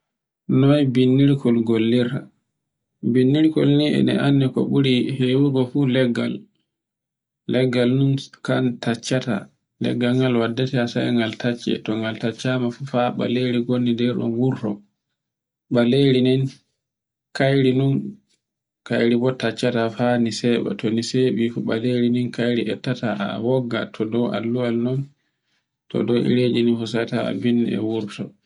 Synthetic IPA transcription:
nɔjbinːiɾkɔlɡolːiɾa | binːiɾkɔlniɛ̰nɛ̰ʔanːikɔ̰ɓuɾiheːwuɡɔfulɛɡːa̰l | ɛɡːalnunkantat͡ʃːata̰ | lɛ̰ɡːaŋɡalwadːɛtɛasajŋɡaltat͡ʃːɛ̰tɔŋɡaltat͡ʃːamafufaɓa̰leɾiɡonːidɛɾɗɔ̰nwuɾtɔ̰ | ɓaleɾinin | kajɾinun | kajɾibɔtat͡ʃːatafanisɛɓɛ̰tʰɔniseɓifuɓaleɾininkajɾiʔɛtːata̰wɔɡːa̰tʰɔdɔwʔa̰lːuwalnɔn | tɔ̰dɔʔḭɾed͡ʒininfusajtaa̰binːɛ̰wuɾtɔ̰

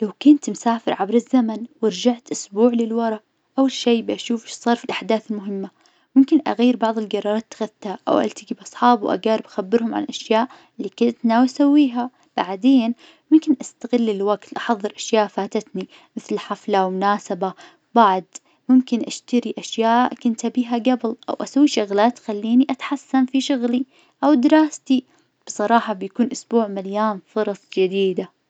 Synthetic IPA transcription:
lawkʊnt̪msaːfɪɾʕabɾɪzːamanwɪɾˤd͡ʒaʕt̪ʔʊsbuːʕlɪlwɑɾˤɑʔ | ʔawːalʃeːbʔaʃuːfɪʃsˤɑːɾˤfilʔaħd̪aːθɪlmʊɦɪmːa | mʊmkɪnʔa̰ɣajːɪɾbɑʕðˤɪlɡɑɾˤːɑɾˤɑːt̪ːḁxaðt̪haʔa̰wʔa̰lt̪ɪɡibʔɑsˤħɑːbwʔa̰ɡaːɾɪbʔaxabːɪɾhʊmʕa̰nʔaʃjaːʔ | lːiːkʊnt̪nawʔasawːiːɦa | b̥aʕd̪eːn | mʊmkɪnʔast̪aɣɪlːɪlwaɡt̪ʔɑħɑðˤːɨɾʔaʃjaːʔfaːt̪at̪ni | mɪθlħaflawmʊnaːsaba | baʕd̪ | mʊmkɪnʔaʃt̪aɾiʔaʃjaːʔʔʔkʊnt̪abiːɦaɡabɪlʔa̰wʔasawːiʃʊɣlaːt̪xalːiːniʔat̪ħasːanfiʃʊɣli | ʔawd̪ɪɾɑːst̪i | b̥ɨsˤɑɾˤɑːħɑbjakuːnʔʊsbuːʕmaljaːnfʊɾˤɑsˤd͡ʒɪd̪iːd̪a

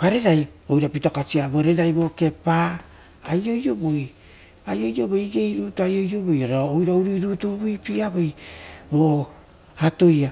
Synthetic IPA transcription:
kaɾe̞ɾaj | ojɾapitokat͡ʃiaboɾe̞ɾajbo̞ke̞paː | jo̞jo̞boj | ajo̞jo̞boiɡe̞jɾutuajo̞jo̞bo̞joɾaojɾauɾiɾutubujpiabojbo | ato̞ja

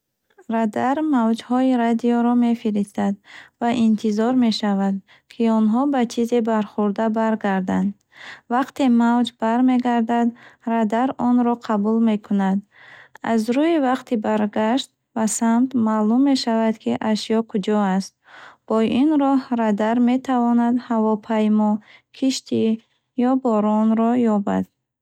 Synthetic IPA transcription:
ɾad̪aɾmavd͡ʒhɔiɾad̪iɔɾɔme̞fiɾist̪ad̪vaʔint̪ʰizɔɾme̞ʃavad̪ | kʰiɔnɦɔbat͡ʃʰizebaɾχuɾd̪abaɾɡaɾd̪and̪ | vaqt̪emavd͡ʒbaɾme̞ɡaɾd̪ad̪ɾad̪aɾɔnɾɔqʰabulme̞kʰunad̪a̰zɾuivaqt̪ʰibaɾɡaʃt̪̚ | basamt̪malumːe̞ʃavad̪kʰiʔaʃijɔkʰud͡ʒɔast̪̚b̥ɔinɾɔhɾad̪aɾme̞t̪ʰavɔnad̪havɔpʰajmɔkʰiʃt̪ʰi | jɔbɔɾɔnɾɔjɔba̰d̪̥̚

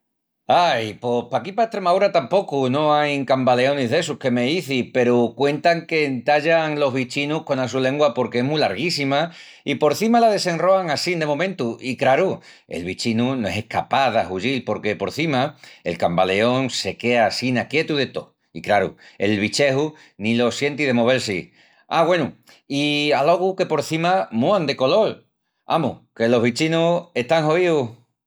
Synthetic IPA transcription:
ajpo̞hpakipaeht̪ɾemawɾat̪ampo̞kuno̞ajŋkambale̞o̞niɦðe̞suhke̞me̞iθipe̞ɾukwe̞nt̪aŋke̞nt̪aʎaŋlo̞ɦβit͡ʃinuhko̞nas̬ule̞ŋɡwapo̞ɾke̞eɦmulaɾɣisima | ipo̞ɾθimalaðe̞se̞nro̞aŋasind̪e̞mõ̞mẽ̞nt̪uʔikɾaɾu | e̞̰lβit͡ʃinunoe̞se̞hkapaðaɦuʎilpo̞ɾke̞po̞ɾθimae̞̰lkambale̞o̞ŋse̞ke̞asinakje̞t̪uðe̞t̪o̞̰ | ikɾaɾṵe̞lβit͡ʃe̞hu | nilo̞sje̞nt̪iðe̞moβe̞ɾsi | aɣwe̞nu | ialo̞ɣ̞uke̞po̞ɾθimamuand̪e̞ko̞lo̞l | a̰muke̞lo̞ɦβit͡ʃinue̞ht̪aŋɦo̞iu

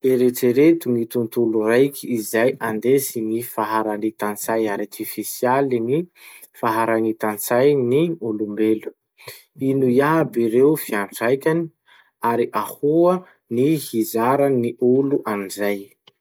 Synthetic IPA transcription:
eɾeʈ͡ʂeɾet̪uŋit̪unt̪ulurajkʰʲiːzajʔand̪esinifaɦaɾanit̪ant͡sajart̪ifisialinifaɦaɾanit̪ant͡sajniulumbelu̥ | inujabiɾewfiaɳʈ͡ʂajkʲani̥ | aɾiʔahuə | nihizaɾaniʔuluʔanizaj

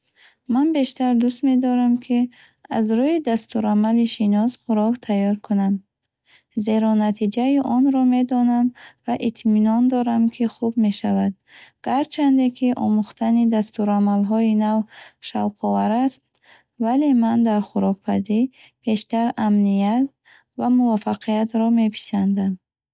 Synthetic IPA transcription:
manbe̞ʃt̪aɾd̪ust̪me̞d̪ɔɾamkʰi | a̰zɾuid̪ast̪uɾamaliʃinɔsχuɾɔkt̪ʰajɔɾkʰunam | ze̞ɾɔnat̪ʰid͡ʒaiʔɔnɾɔme̞d̪ɔnamvaʔit̪ʰminɔnd̪ɔɾamkʰiχubme̞ʃavad̪̚ | ɡ̥aɾt͡ʃʰand̪ekʰiʔɔ̰muχt̪ʰanid̪ast̪uɾamalɦɔinavʃavqʰɔvaɾast̪ | vale̞mand̪aɾχuɾɔk̚pʰaziɾ | b̥ʰe̞ʃt̪aɾamnijat̪̚ | vamuvafaqʰijat̪ɾɔme̞pʰi̥sand̪am

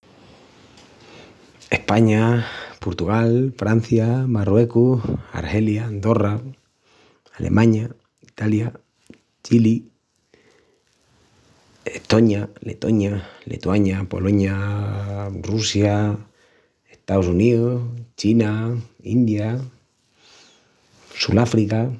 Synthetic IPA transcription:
e̞hpaɲapoɾt̪uɣ̞alfɾan̟θjamarwe̞kua̰ɾhe̞ljand̪o̞ra | alʔḛmãɲa | it̪alja | t͡ʃili | eht̪o̞ɲalḛt̪o̞ɲalḛt̪waɲapo̞̰lo̞ɲa | rusja | eht̪aosuniðust͡ʃinaind̪ja | sulafɾika

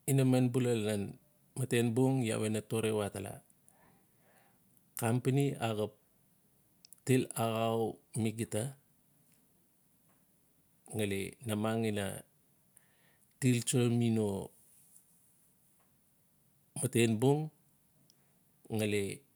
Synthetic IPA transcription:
inamanbulalnan | matenbuŋja̰wenatoɾewatala̰ | kampaniaɡap̚ | tilaɣawmiɡita | ŋalḛnamaŋina̰ | tilt͡ʃolmino | matenbuŋ | ŋale

